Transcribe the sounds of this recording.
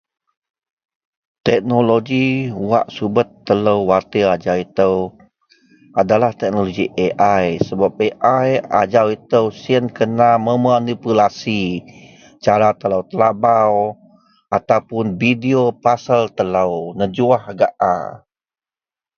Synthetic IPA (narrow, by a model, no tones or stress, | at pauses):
t̪ɛk̚noloɡiwa̰ʔsubət̪ːələwwart̪əad͡ʒawit̪əw | adalaht̪ɛk̚noloɡiʔeʔajsəbap̚eʔaja̰d͡ʒawit̪əwsiənkənaməmanipulasi | t͡ʃaɾat̪ələwt̪əlabaw | ʔat̪awpʊnbidiopasəlt̪ələwnəd͡ʒuahaɡaʔa̰